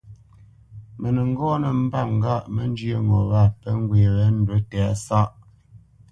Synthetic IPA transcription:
mə˨nə˨ŋ̩˦ɡɔː˦nə˨m̩˦ba˦˨ŋ˦ɡa˦ʔmə˦n˦d͡ʒjə˦˨ŋɔ˨ɣa˦˨pə˦ŋ˦ɡweː˨ɣɛ˦n̩˦dwə˦tɛ˨a˦sa˦ʔ

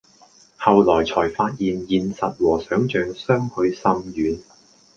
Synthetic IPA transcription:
hɐ˨wlɔː˨˩jt͡sʰɔː˨˩jfaː˧t̚jiː˨njiː˨nsɐ˨t̚wɔː˨˩sœː˨˥ŋt͡ʃœː˨˧ŋsœː˥ŋhɵ˧ɥsɐ˧mjyː˨˧n

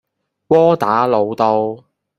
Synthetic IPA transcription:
wɔː˥t̪aː˨˥lo˨˧wt̪o˧w

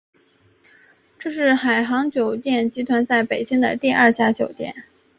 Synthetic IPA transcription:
ʈ͡ʂɤ˥˧ʂɻ̩˥˩xa˨˩ɪxɑ˧˥ŋt͡ɕjo˨˩ʊt̪jɛ˥˩nt͡ɕi˧˥t̪ʰwa˧˥nsa˥˩ɪpe˨˩ɪt͡ɕi˥ŋd̪ə̰˨t̪i˥˧ɐ˞˥˧t͡ɕja˥˩t͡ɕjo˨˩ʊt̪jɛ̰˨˩˦n

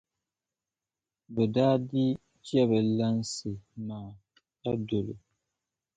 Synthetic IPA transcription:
bɛ˨daː˦di˦ | t͡ʃi˦ɛ˦bɨ˨la˦n˦sɨ˨maː˨ | ta˦do˨lo̰˨

